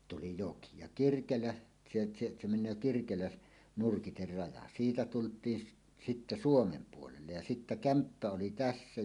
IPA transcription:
tuli joki jɑ kirkelæ t̆se t̆se se menˑøː kirkelæ nurkiter rɑjɑ siːtæ tultˑiːn sit sitːæ suomem puolelːej jɑ sitːæ kæmpːæ oli tæsːæ

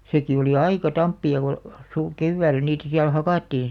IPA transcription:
seki oliˑ ɑikɑ tɑmpːiɑ ko su keʋːæːlˑæ niːtæ siæl hɑkɑˑtːiːn

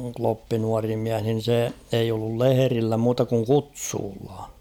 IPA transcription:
klopːi nuɑri miæh nin̞ se eij olːul leherilːæ muːtɑ kuŋ kutsuːlːɑ

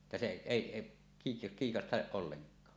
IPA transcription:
etːæ se eˑi kiː kiːkɑstɑʔ ʔolːeŋkˑɑː

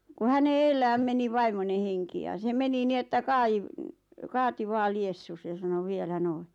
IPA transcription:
ku hæne eːlːæːm meni ʋɑimone heŋki jɑ se meni ni etːæ kɑiʋ kɑːti ʋɑː liesːus jɑ sɑno ʋielæ noi

